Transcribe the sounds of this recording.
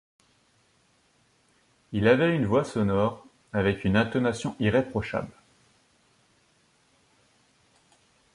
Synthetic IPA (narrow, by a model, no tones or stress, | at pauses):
ilavɛynvwasɔnɔʁ | avɛkynɛ̃t̪ɔnasjɔ̃ʔiʁepχɔʃa̰bl